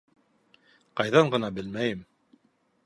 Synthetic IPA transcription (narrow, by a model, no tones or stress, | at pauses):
qɑjðɑɴɢɤ̆nɑbɘlmæjɘm